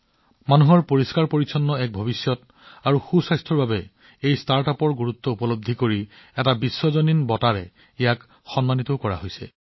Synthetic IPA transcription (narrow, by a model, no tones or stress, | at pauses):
manuɦɔɹpoɹiskaɹpoɹisʰɔnːɔɛk̚bʱɔbisjɔt | aɹuxusajstʰɹɔɹbabɛ | ejstaɹtapɔɹɡuɹut̪ːɔupɔlob̚d̪ʱːikoɹiɛtabisːɔzoninbɔtaɹɛ | ɛjak | xɔnmanit̪ɔkɔɹa̰ɦojsɛ̰